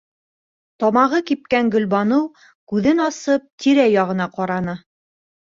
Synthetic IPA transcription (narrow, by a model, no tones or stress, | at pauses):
t̪ɒmɑʁɤkip̚kæŋɡɵ̆lbɑnɤw | kʉðɘnɑsɤp̚t̪ʰiɾæjɑʁɤ̆nɑqɑɾɑnɤ